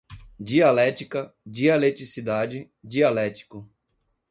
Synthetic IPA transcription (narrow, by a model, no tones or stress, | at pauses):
d͡ʒialɛt͡ʃikɐd͡ʒialet͡ʃɾisid̪ad͡ʒɪ | d͡ʒialɛt͡ʃi̥kʊ